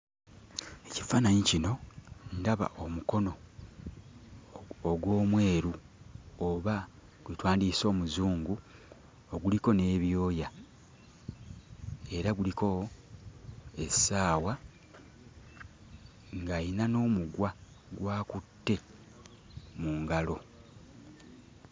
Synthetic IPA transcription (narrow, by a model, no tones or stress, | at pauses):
e̞ci̥faːnaɲicino̞ndaβa̰ʔomuko̞no̞ | ɡwo̞ːmwe̞ːɾu | oβa | ɡwetwaːndiso̞ːmuzuːŋɡu | oɡuliko̞ne̞ːβjo̞ːja | e̞ɾaɡuliko̞ | e̞saːwa | ŋɡainano̞ːmuɡwa | ɡwaːkutːe̞ | muːŋɡalo̞